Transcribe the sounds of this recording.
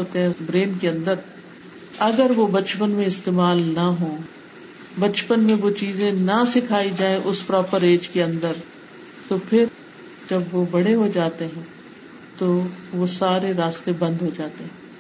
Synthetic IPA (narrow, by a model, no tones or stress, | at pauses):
oːt̪eɦɛ̃bɾeːnkeɐ̃nd̪əɾ | ɐɡəɾʋobɐt͡ʃpənmẽɪst̪eːmaːlnaɦõː | bɐt͡ʃpənmẽʋot͡ʃiːzẽnɐsɪkʰaːid͡ʒaːẽʔʊspɾɔːpəɾeːd͡ʒkeɐ̃nd̪əɾ | t̪opʰɪɾ | d͡ʒɐbʋobɐɽeɦod͡ʒaːt̪eɦɛ̃ | t̪oʋosaːɾeɾaːst̪ebɐ̃nd̪ɦod͡ʒaːt̪eɦɛ̃ː